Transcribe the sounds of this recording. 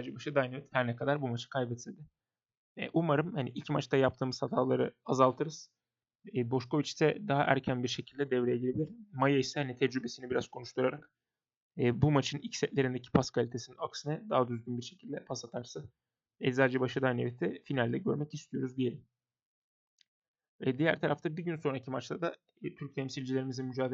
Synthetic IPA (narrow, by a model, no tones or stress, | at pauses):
sad͡ʒɛbaʃɯd̪ajnevɛt̪hæɾnɛkʰad̪aɾbumat͡ʃʰɯ̥kʰajbɛt̪ʰilʲd̪ɪ̰ | ʔumaɾɯmhaniʔilʲcmat͡ʃt̪ʰajap̚t̪ʰɯːmɯz̥hat̪ʰaːlˠaɾɯazalˠt̪ʰɯɾɯz̥ | ɛbo̞ʃko̞vit͡ʃsɛd̪aɦaʔæ̰ɾcʰænbiɾʃe̞cʰilʲd̪ɛd̪ɛvɾejeɟʲilʲebilʲiɾmajaisɛhanit̪ʰɛd͡ʒɾybe̞sinibiɾaz̥kʰo̞nuʃt̪ʰuɾaɾakː | bumat͡ʃʰɯnilcʲsɛt̪lʲe̞ɾind̪ecʰi̥pʰaskʰalʲit̪ʰesininaksɯnɯd̪aɦad̪yzɟʲynbiɾʃe̞̥cʰilʲd̪ɛpʰasat̪ʰaɾsɯ | ɛsaːd͡ʒɛbaʃɯd̪anevit̪ʰɛfinalʲd̪ɛɟø̞ɾmɛcist̪ʰijo̞ɾuzd̪ijeɾim | ɛd̪ijæɾt̪ʰaɾaft̪abiɟynso̞nɾacʰimat͡ʃt̪ˠad̪a | t̪ʰyɾc̚t̪ʰɛmsilʲd͡ʒilʲe̞ɾimizimyd͡ʒaːd̪e